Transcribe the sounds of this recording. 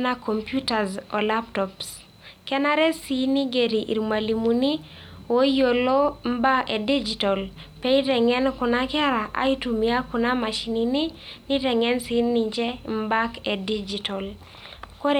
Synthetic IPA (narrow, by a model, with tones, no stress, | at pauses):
na˦kɔ˨mpju˦ta˨zɔ˨la˦ptɔps | kɛ˦na˦ɾɛ˦si˦ni˦ɡe˨ɾi˨ʔḭ˨ɾma˨li˨mu˨ni˦ | wo˦jo˨lo˦m̩˦ba˦ɛ˨di˦d͡ʒi˨tɔ˨l | pɛ˦i˦ɾɛ˨ŋɛ˦nkʊ˨na˦kɛ˦ɾa˨ʔa̰˦i˦tu˨mi˨a˦kʊ˨na˦ma˨ʃi˨ni˨ni˦ni˦ɾɛ˨ŋɛ˦nsi˨˦ni˨ɲd͡ʒɛ˦m̩˦ba˦kɛ˨di˦d͡ʒi˨tɔ˨l | kɔ˦ɾ